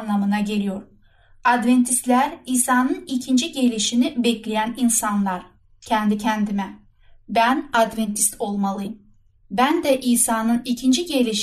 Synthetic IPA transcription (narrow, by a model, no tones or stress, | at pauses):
nlˠamɯnaɟe̞lʲijo̞ɾ̥ | ad̪vent̪ʰist̪lʲæɾiːsaːnɯnicʰind͡ʒiɟelʲiʃinibɛclʲejæninsanlˠaɾ̥ | cʰɛnd̪icʰɛnd̪imɛ | bænad̪vɛnt̪ʰi̥st̪ʰo̞lˠmalˠɯjɯm | bænd̪ɛʔiːsaːnɯnicʰind͡ʒiɟelʲiʃ